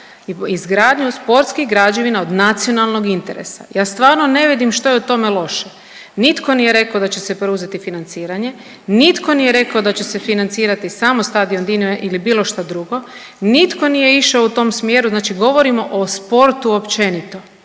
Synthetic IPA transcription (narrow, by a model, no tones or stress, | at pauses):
izɡɾaːd̪ɲuspo̞ɾt̪skiɣɡɾaːd͡ʒeʋinaod̪nat̪sio̞nalˠno̞ɡint̪e̞ɾe̞̰sa̰jaːst̪ʋaːɾno̞ne̞ʋid̪imʃt̪o̞jeut̪o̞melˠo̞ʃe | nit̪ko̞nije̞ɾe̞kaod̪at͡ɕe̞se̞pɾeuzet̪ifinant̪siːɾaɲe̞ | nit̪ko̞nije̞ɾe̞kaod̪at͡ɕe̞sefinant̪siːɾat̪isaːmost̪aːd̪iond̪ineʔilibiːlo̞ʃt̪ad̪ɾuɡo̞ | nit̪ko̞nije̞iʃaout̪o̞ːmsmjeːɾuznaːt͡ʃiɡo̞ʋoɾimo̞ʔospo̞ɾt̪uopt͡ɕe̞nit̪o